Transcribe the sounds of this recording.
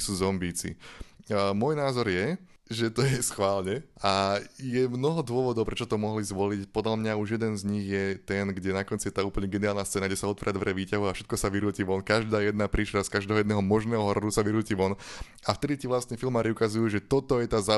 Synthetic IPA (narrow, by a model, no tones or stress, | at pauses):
suːzɔmbiːt͡sḭ | mɔjnaːzɔɾjɛ | ʒɛt̪ɔjɛsxʋaːlɲɛʔajɛmnɔɦɔd̪ʊɔʋɔd̪ɔʊpɾɛt͡ʃɔt̪ɔmɔɦlizʋɔlicpɔd̪lamɲauʒjɛd̪ɛnzɲiɣjɛt̪ɛnɡɟɛnakɔnt͡sijɛt̪aːuːpl̩ɲɛɡɛniaːlnast̪t͡sɛːnaɡɟɛsaɔt̪ʋa̰ːɾad̪ʋɾɛʋiːcaɦuafʃɛt̪̚kɔsaʋiɾuːciʋɔnkaʒd̪aːjɛd̪̚napɾiːʃɛɾaskaʒd̪ɛːɦɔjɛd̪nɛɦɔmɔʒnɛːɦɔɦɔɾɔɾusaʋiɾuːciʋɔn | aft̪ɛd̪it̪iʋlast̪nɛfilmaːɾiukazujuːʒɛt̪ɔt̪ɔjɛt̪aːza